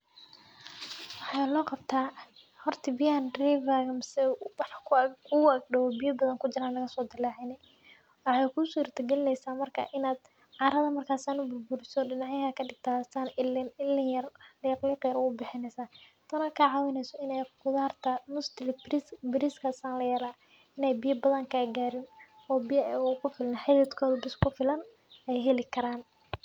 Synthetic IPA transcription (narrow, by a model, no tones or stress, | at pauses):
wɑħɑlɔːqɑbt̪ʰaː | hɔrt̪ʰɐbɪjanrɛvaːɣɐmɪsɛwɑħkʰʊkʰʊɡɖɐwɔbijɐbɐðɐŋkʰʊt͡ʃɪɾaːnlɐɣɐsɔːd̪ɪlaːʕɪnɛ | wɑħɑːjkʰusuːrt̪ʰɐɡɛlɪnɛjsaːmɐrkʰa̰ʔɪnaːd̪ | ʕɑːɾɐðɐmɐrkʰaːsaːnʊbʊrbʊɾɪsɔːɖɪnɑʕjɐɦɐkʰɐɖɪɡ̚t̪ʰaːsaːnɪlɪlːɪjɐrliːqliːqɪjɾɔʊbɪħɪnɛjsaː | t̪ʰɐnɔːkʰaːʕɑːwɪnɛjsɔɪnɛjqʊðaːrt̪ʰɐmʊst̪ɪlbbɪɾɪskʰɐsaːnlɐjɛːlaː | ɪnɛjbɪjɐbɐðɐŋkʰaːɡaːɾɪn | ɔːbɪjɐʔɛʊkʰʊfɪlnɐħɪlɛd̪kʰɔːðʊbɪskʰʊfɪlɐn | ɛjɦɛlɪkʰɐɾaːn